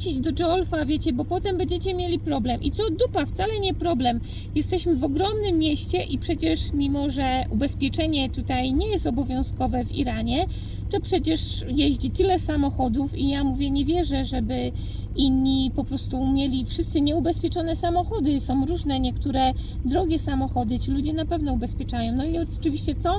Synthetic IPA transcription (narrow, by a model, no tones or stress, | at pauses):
t͡ɕid͡ʑd̪ɔt͡ʂɔlfavʲjet͡ɕɛbɔpɔt̪ɛmbɛɲd͡ʑet͡ɕɛmʲjelʲipɾɔblɛmʔḭt̪sɔd̪upaft̪salɛɲɛpɾɔblɛm | jɛst̪ɛɕmɘvɔɡɾɔmnɘmːjɛɕt͡ɕɛʔipʂɛt͡ɕɛʂmʲimɔʐɛʔubɛspʲjɛt͡ʂɛɲɛt̪ut̪ajɲɛjɛst̪ɔbɔvʲjɔ̃w̃skɔvɛvḭɾaɲɛ | t̪ɔpʂɛt͡ɕɛʂ | jɛʑd͡ʑit̪ɘlɛsamɔxɔd̪ufijamuvʲjɛɲɛvʲjɛʐɛʐɛbɘ | inːipɔpɾɔst̪umʲjelʲifʂɘst̪sɘɲɛubɛspʲjɛt͡ʂɔnɛsamɔxɔd̪ɘsɔ̃w̃ɾuʐnɛɲɛkt̪uɾɛ | d̪ɾɔɡʲɛsamɔxɔd̪ɘt͡ɕilud͡ʑɛnapɛvnɔubɛspʲjɛt͡ʂajɔ̃w̃nɔiɔt͡ʂɨvʲiɕt͡ɕɛt̪sɔ